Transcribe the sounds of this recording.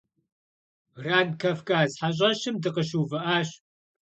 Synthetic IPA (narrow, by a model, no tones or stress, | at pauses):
raːnkʰɐfkʼaːzħaɕ̬ʼɐʃɨmdɨqəʃuːvɨʔaːɕ